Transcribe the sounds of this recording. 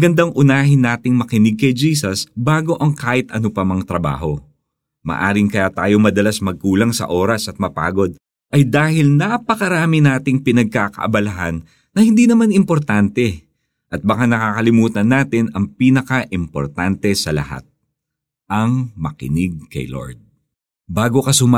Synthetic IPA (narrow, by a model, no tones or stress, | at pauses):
ɡɐnd̪aŋʔʊnaːɦɪnaːt̪ɪŋmɐkɪnɪɡ̚kɐjd͡ʒiːsɐsbaːɡo̞ʔɐŋkaːʔɪt̪ʔɐnopɐmɐŋt̪ɾɐba̰ːɦo̞ | mɐ̰ʔa̰ːɾɪŋkɐjat̪aːjo̞mɐd̪ɐlasmɐɡ̚kuːlɐŋsɐ̰ʔoːɾɐsʔɐt̪̚mɐpa̰ːɡo̞d̪̚ | ʔɐjd̪aːhɪlnapɐkɐɾaːmɪnaːt̪ɪŋpɪnɐɡ̚kakɐ̰ʔɐ̰bɐlɐɦa̰nː | ɐhɪnd̪inɐmanɪmpo̞ɾt̪ant̪ɛ | ʔɐt̪̚bɐkanɐkakɐlɪmuːt̪ɐnːaːt̪ɪnɐŋpinɐkɐʔɪmpo̞̰ɾt̪ant̪ɛsɐlɐ̰ha̰t̪̚ | ʔɐŋmɐkɪ̰nɪɡ̚kɐ̰jlo̰ɹd̪̚ | baːɡo̞kɐsʊma